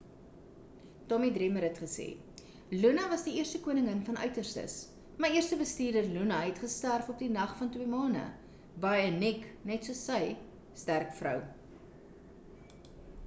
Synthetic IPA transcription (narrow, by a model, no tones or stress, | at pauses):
tɔmidrɛməɾɦɛtχəsḛː | lunɐvɐsdiiərstəkuənəŋənfɐnœ̰ɥtərstə̰s | məiərstəbəstiːrdərlunɐɦɛtχəstærfɔp̚dinɐχfɐntwiəmɑːnə̰ | bɐjənɛknɛtsuəsːəj | stærkfrœ̰w